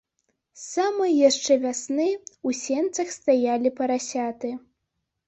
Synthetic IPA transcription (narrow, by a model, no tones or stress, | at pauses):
samɨjaʂt͡ʂɛvʲasnɨusʲɛnt̪sɐxst̪ajalʲipɐɾasʲat̪ɨ